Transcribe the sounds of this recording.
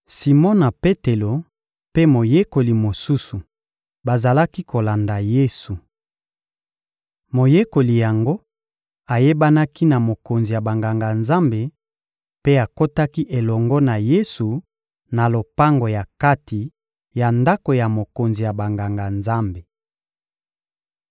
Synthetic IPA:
si˨mɔ˦na˨pe˦te˨lo˨ | pe˦mo˨je˦ko˨li˨mo˨su˦su˨ | ba˨za˨la˦ki˦kʰo˨la˨nda˨je˦su˨ | mo˨je˦ko˨li˨ja˨ŋɡo˦ | a˨je˦ba˦na˦ki˦na˨mo˨ko˨nzi˨ja˨ba˨ŋɡa˨ŋɡa˨nza˦mbe˨ | pe˦a˨ko˦ta˦ki˦ʔe˨lɔ˨ŋɡɔ˦na˨je˦su˨ | na˨lo˨pa˦ŋɡo˨ja˨ka˦ti˨ | ja˨nda˦ko˨ja˨mo˨ko˨nzi˨ja˨ba˨ŋɡa˨ŋɡa˨nza˦mbe˨

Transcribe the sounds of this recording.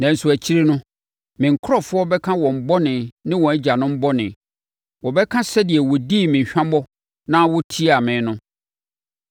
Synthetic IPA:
nã˨n̩˨sʊ˨æ˨t͡ɕʰi˦ɾe˦nʊ̃˦ | mɪ̃˨ŋ̩˨kʰʊ˦ɾɔ˦˨fʊ˦ɔ˦bɛ˦kʰã˦wɔ̃˨m̩˨bɔ˦nɪ̃˨nɪ̃˦wɔ̃˨ɛ˦d͡ʑa˨nʊ̃˦m̩˦bɔ˦nɪ̰̃˨ | wɔ˨bɛ˦kʰã˦sɛ˦dɪ˨ɛ˨wɔ˨di˦˨mɪ̃˨ɲ˨ɕᶣã˦bɔ˦ | nã˦wɔ˦tʰi˦a˨mɪ̃ː˨˦nʊ̃˦

